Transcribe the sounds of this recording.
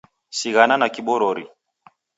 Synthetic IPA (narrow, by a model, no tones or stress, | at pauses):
siɣananakiɓɔɾɔɾḭ